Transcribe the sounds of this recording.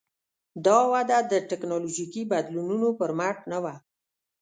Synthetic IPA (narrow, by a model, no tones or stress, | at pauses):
d̪ɑwad̪ad̪əʈɪknɑloʒikibad̪lununopəɾmaʈnawa